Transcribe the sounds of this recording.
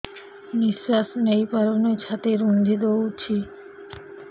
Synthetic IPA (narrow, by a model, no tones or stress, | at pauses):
nisasonejpaɾonet͡ɕʰat̪eɾund̪ʱid̪out͡ɕʰi